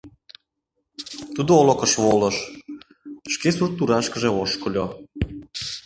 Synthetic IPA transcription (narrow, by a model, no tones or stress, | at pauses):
t̪ud̪oolokəʃβoləʃ | ʃkesurt̪ːuɾɑʃkə̆ʒeoʃkolʲo